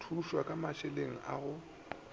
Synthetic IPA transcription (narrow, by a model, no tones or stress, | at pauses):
tʰuʃwakʼamaʃɛleŋ̩ʔa̰ɣʊ